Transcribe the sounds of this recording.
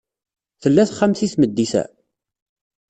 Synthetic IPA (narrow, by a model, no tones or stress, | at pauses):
θəlːæθχamθiθməd̪ːiθæ̰